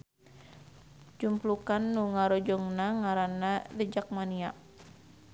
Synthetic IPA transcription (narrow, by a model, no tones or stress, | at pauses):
d͡ʒumplukanːuŋaɾɔd͡ʒɔŋnaŋaɾanadəd͡ʒak̚maniaʔ